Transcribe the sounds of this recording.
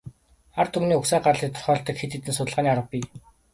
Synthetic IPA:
art̪ʰumniːuksæːɢarɮiːt̪ʰʊ̥r̥χœːɮɬt̪ə̆kxet̪et̪ɘ̆nsʊt̪əɮʁaːniːaɾə̆pʲiː

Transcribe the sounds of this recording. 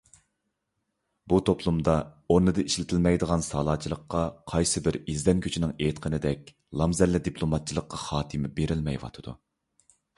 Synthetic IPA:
but̪ʰopʰlˠumd̪ɑoɾnɨd̪ɨiʃlɪt̪ʰɪlmɛjd̪əʁɑnsɑːlˠɑːt͡ʃʰilˠəqːɑqʰɑjsɨbɪɾizd̪ɛnkʲʰøt͡ʃʰinɪŋet̪qʰənɪd̪ɛk̚ʲ | lˠɑmzɛlːɪd̪ipʰlˠomɑt̪̚t͡ʃʰilˠəqːɑχɑːt̪ʰɨmɪbeɾɪlmɛjwɑ̰t̪ʰɨd̪̥ṵ

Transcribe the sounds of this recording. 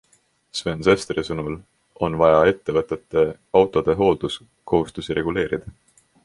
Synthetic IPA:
svensest̪ɾisɤnul | ʔo̞nvɑjɑe̞t̪ːe̞vɤt̪ːˑe̞t̪ːˑe̞ | ɑwt̪ˑo̞d̪̥e̞ɦo̞ːld̪us | kʰo̞ɦust̪usiɾe̞ɡ̥ule̞ːɾid̪̥ɑ

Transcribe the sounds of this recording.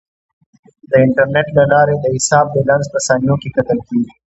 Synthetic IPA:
d̪əɪɳʈəɾneʈlalɑɾed̪əhɪsɑːb̚d̪ədanzpəsɑːnijokekat̪əlkeɡi

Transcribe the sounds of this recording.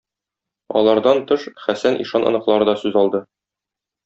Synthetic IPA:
ɒ̰lˠɑɾd̪ɑnt̪ɤʃχæsænʔḭʃɑnɤ̰̆nɤ̆qlˠɑɾɤd̪ɒsʉzɒlˠd̪ɤ

